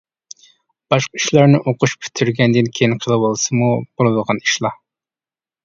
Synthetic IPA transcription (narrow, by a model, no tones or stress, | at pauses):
b̥ɑʃqɑiʃlˠɑɾnɪʔoqʊʃpʲʰy̥t̪ʰːyɾɡʲɛnd̪ɪnkʲʰejinqʰəlˠɨwolˠsɨmub̥olˠɨd̪əʁɑniʃlˠɑ